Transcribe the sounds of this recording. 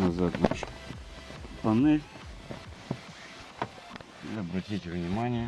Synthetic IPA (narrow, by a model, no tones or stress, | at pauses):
nɐzat̪nat͡ʃ | pɐnɪ | iɐbɾɐtʲitʲvnʲɪmanʲɪjə